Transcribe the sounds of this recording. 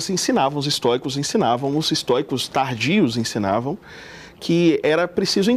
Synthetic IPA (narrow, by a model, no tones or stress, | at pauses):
zẽsĩnavɐ̃w̃ʊzist̪ɔɾikʊzẽsĩnavɐ̃w̃ʊzist̪ɔɾikʊst̪aɾd͡ʒiʊzẽsĩna̰vɐ̃w̃ | kʰɪɛɾɐpɾesizʊẽ